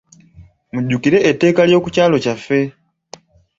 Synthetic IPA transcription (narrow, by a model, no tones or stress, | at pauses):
muɟːukiɾe̞ʔetːe̞ːkaljo̞ːkucaːlo̞cafːe̞